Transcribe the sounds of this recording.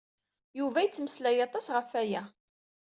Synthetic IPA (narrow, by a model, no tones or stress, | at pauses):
juvæjət͡sːməslæjɑt̪ˤɑsʁəfæjæ